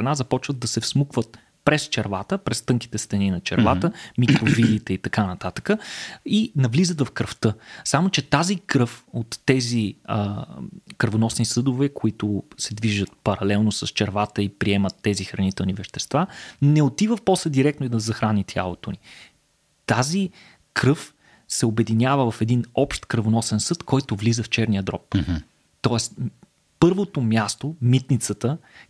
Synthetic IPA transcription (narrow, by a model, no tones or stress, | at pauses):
ɐnazɐpɔt͡ʃvəd̪ːɐsɛfsmukvət̪̚ | pɾɛst͡ʃɛɾvat̪əpɾɛst̪ɤŋki̥t̪ɛst̪ɛninɐt͡ʃɛ̰ɾvat̪əmikɾovilit̪ɛit̪ɐkanɐt̪at̪ə̥kəinɐvlizət̪vɐfkɾəft̪ɤsamot͡ʃɛt̪azikɾɤfot̪ːɛziə | kəɾvonɔsnisɤd̪ovɛkoit̪ʊsɛd̪viʒət̪̚pɐɾɐlɛlˠnosɐst͡ʃɛɾvat̪əipɾiɛmət̪ːɛzixɾɐnit̪ɛlˠnivɛʃt̪ɛst̪vanɛot̪ivəfpɔsəd̪iɾɛkt̪noid̪ɐzɐxɾanit̪ʰʲja̰lˠot̪oni | t̪azi | kɾɤf | sɛobɛd̪inʲavəvɐfɛd̪inɔpʃt̪kəɾvonɔsɛnsɤt̪kʰɔjt̪ʊvlizəft͡ʃɛɾnijəd̪ɾɔp | t̪ɔɛst̪ | pɤɾvot̪omʲjast̪omit̪nit̪sət̪ə